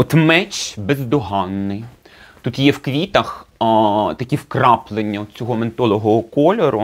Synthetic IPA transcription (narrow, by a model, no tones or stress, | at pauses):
ɔt̪mɛt͡ʃbezd̪ɔɦɑnːɪj | t̪ut̪jɛwkʋʲit̪ɐx | t̪ɐkʲiwkrɑplˠenʲːɐɔd̪̚t͡sʲɔɦɔment̪ɔlˠɔɦɔɔkɔlʲɔɾʊ